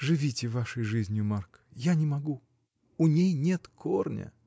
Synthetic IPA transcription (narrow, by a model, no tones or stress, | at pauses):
ʐɨvʲitʲɪvaʂəjʐɨzʲnʲjʊmark | janʲɪmɐɡu | ʊnʲejnʲet̪kʰornʲə̰